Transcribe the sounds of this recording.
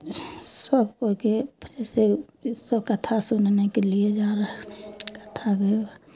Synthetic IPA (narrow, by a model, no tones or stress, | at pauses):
səbkoked͡ʒɛːse | səbkət̪ʰasʊnnekelied͡ʒaːɾəɦɛkə̥t̪ʰaɡəa